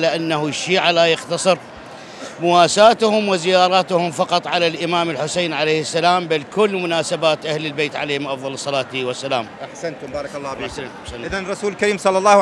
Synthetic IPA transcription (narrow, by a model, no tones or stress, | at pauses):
laʔanːahuʃːiːʕalajɪxt̪ɑsˤɨɾ | mʊwaːsaːt̪hʊmwɪzɪjaːɾˤɑːt̪hʊmfɑqɑt̪ˤʕalalʔɪmaːmɪlħʊseːnʕalejhɪsːalaːmbalkʊlːmʊnaːsabaːt̪ʔahlɪlbeːt̪ʕaleːhɪmʔɑfðˤɑlsˤːɑlɑːt̪̚iwasːalaːmʔaħsant̪ʊbaːɾˤɑklˤːɑːaʔaħsanʔɪðanɾˤːɑsuːlɪlkaɾiːmsˤɑlːɑlːɑː